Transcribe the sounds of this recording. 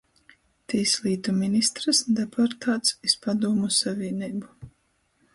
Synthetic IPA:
t̪iːslˠiːt̪uminist̪ɾɨsd̪ɛpʰɔɾt̪ʰaːt̪sispad̪uːmusavʲiɛniːbu

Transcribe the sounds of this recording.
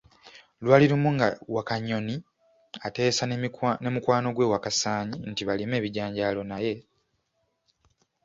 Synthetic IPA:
lwaːliɾumuŋɡawakaɲːo̞ni | ate̞ːsanne̞mukwaːno̞ɡwe̞ːwakasaːɲintiβalime̞ːβiɟaːɲɟalo̞naje̞

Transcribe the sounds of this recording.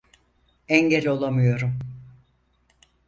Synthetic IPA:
ɛɲɟelʲo̞lˠamɯjo̞ɾum

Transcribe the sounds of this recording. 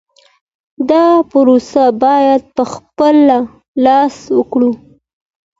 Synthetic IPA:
d̪ɑpʊɾosabɑjad̪̚pəxpəla | lɑswəkɽu

